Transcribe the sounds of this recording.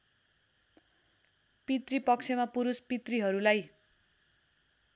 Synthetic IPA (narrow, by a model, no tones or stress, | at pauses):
pit̪ripʌk̚t͡sʰemapuɾuspit̪riɦʌɾulaj